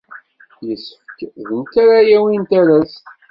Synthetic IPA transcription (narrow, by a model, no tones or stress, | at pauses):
jəsːəfkðənt̪æɾajæwint̪æɾæs